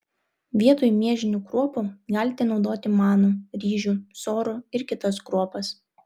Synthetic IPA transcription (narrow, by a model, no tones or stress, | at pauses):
ʋʲiɛt̪oːjmʲiɛʒʲɪnʲuːkɾuɔpuɡɑːlʲɪt̪ʲɛnɒʊd̪oːt̪ʲɪmɑːnuɾʲiːʒʲuːsoːɾuɪɾkʲɪt̪ɐskɾuɔpɐs